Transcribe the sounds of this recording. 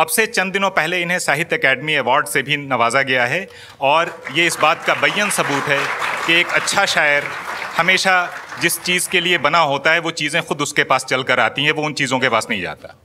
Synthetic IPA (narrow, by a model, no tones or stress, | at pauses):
ɐbset͡ʃɐ̃nd̪ɪnõpɛɦleɪnɦẽsaːɦɪt̪ɛkɛːɖmiɛʋaːɾɖsebʱinɐʋaːzaɡɐjaɦɛ | ɔːɾjeɪsbaːt̪kabɐjːənsɐbuːt̪ɦɛkeːkɐtːʃʰaʃaːjəɾhɐmeːʃad͡ʒɪst͡ʃiːzkeliebɐnaɦoːt̪aɦɛʋot͡ʃiːzẽxʊd̪ʊskepaːst͡ʃɐlkɐɾaːt̪iɦɛ̃ʋoʊnt͡ʃiːzõkepaːsnɐɦĩd͡ʒa̰ːt̪a̰ː